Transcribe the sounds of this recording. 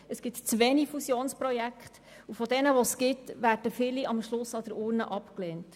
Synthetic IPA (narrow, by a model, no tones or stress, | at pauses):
əsɡ̥ɪtt͡sʋɛnifusjoːnsprɔjækχt | ufɔdɛnəʋosɡ̥ɪtʋæːɾd̥əfɪliʔɑmʃlʊsɑd̥əɾʊːɾnəʔɑpkleːnt